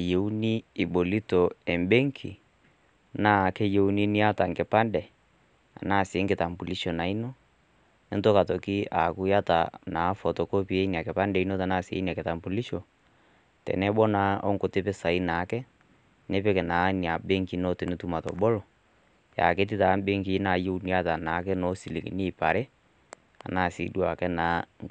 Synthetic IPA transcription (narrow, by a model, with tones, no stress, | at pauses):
je˨u˦ni˦i˨ɓo˨li˦tɔ˨ɛ˨mbe˦ŋkʰi˨ | na˨˦˨kɛ˦je˨u˦ni˦ni˦a˦ta˨ŋɡe˨pa˦ndɛ˨ | a̰˨na˦˨se˨˦ŋɡe˨ta˨mbu˨li˦ʃɔ˨na˨i˦no˦ | e˦nto˦ka˨tɔ˨ki˦a̰˨ku˦ja˦ta̰˨naː˨˦fɔ˨tɔ˨ko˦pi˦e˦i˦ni˨a˨ke˨pa˦ndɛ˨i˦no˦ta˨na˦˨sḛ˨˦i˦ni˨a˨ke˨ta˨mbu˨li˦ʃo˨ | tɛ̰˨nɛ˦ɓɔ˦na˨˦ɔ̰˦ŋko˨te˦pɛ˦sa˨i˦na˨˦kɛ˦ | ne˦pɛ˦kɛ˨na˨˦ni˨a˨be˦ŋki˦no˦tɛ˨ne˦tu˦ma˨tɔ̰˨ɓɔ˦lɔ˨ | ja̰˨ke˦t̬i˦ta˨˦ɓe˦ŋki˦na˨jo˦u˦ni˦a˦ta˨na˨˦k̬ɛ˦nɔ˨˦si˨lḭ˨ki˨ni˦˨pa˨ɾɛ˦ | a̰˨na˦˨sḭ˨˦dwa˨kɛ˦na˨˦ŋ˦